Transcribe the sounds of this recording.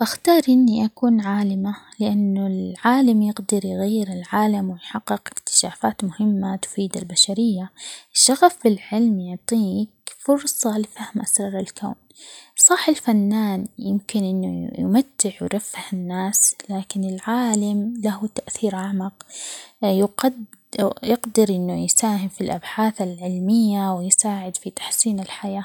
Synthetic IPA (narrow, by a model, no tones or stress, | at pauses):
baxt̪ɑːɾˤʔɪnːiʔakuːnʕaːlɪmalɪʔanːʊlʕaːlamjɪɡd̪ɪɾjɣajːɪɾɪlʕaːlamwɪjħɑqːɪqɪkt̪ɪ̥ʃaːfaːt̪mʊhɪmːat̪ʊ̥fiːd̪albaʃaɾɪjːaɪʃːaɣafɪlʕɪlmjʊʕt̪ˤiːkfʊɾsˤɑlɪfahmʔasɾˤɑɾˤɪlkʰa̰ːn | sˤɑħɪlfanːaːnjɪmkɪnʔɪnːṵj̰mat̪ːɪʕwɾafːhɪnːaːslaːkɪnɪlʕaːlamlahut̪aʔθiːɾʔaʕmaq | jqad | jɪqd̪ɑɾʔɪnːujsaːɦɪmfilʔabħaːθalʕɪlmɪjːawɪjsaːʕɪd̪fit̪ḁħsiːnɪlħajaː